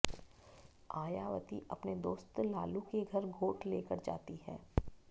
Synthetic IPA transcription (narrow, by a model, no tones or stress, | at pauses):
aːjaːʋə̰t̪ḭʔɐpned̪oːst̪laːlukeɡʱɐɾɡʱoːʈʰleːkəɾd͡ʒa̰ːt̪iɦɛ̰ː